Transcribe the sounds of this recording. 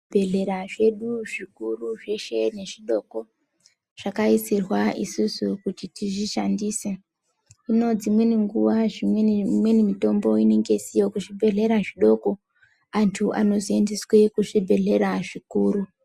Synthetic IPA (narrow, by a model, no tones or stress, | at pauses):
bʱe̞ɮe̞ɾaʐe̞ɗuʐikuruʐe̞ʃe̞ne̞ʐiɗo̞ːko̞ | ʐ̥akaisirwaʔisusukutitiʐiʃandise | ino̞d͡zimwe̞niŋɡuʋaʐimwemwe̞nimito̞mbo̞ine̞ŋɡe̞sijokuʐibʱe̞ɮe̞ɾaʐiɗo̞ko̞ | antʰuʔa̰no̞zie̞ndeswekuʐibʱe̞ɮe̞ɾaʐikuːɾu